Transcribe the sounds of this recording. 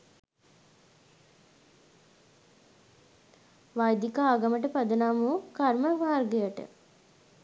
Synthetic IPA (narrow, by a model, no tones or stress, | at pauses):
ʋajd̪ikaːɡaməʈəpad̪ənaːmuːkarməmaːrɡejəʈə̰